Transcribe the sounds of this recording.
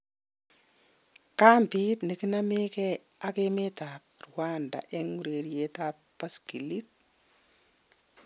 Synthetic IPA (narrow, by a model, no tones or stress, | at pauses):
kampitnikinameke | akemetap̚ɾuwanda̰ʔɛŋuɾeɾijetappːaskilit̚